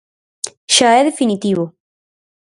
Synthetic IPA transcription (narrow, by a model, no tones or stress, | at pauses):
ʃaeðefinit̪iβo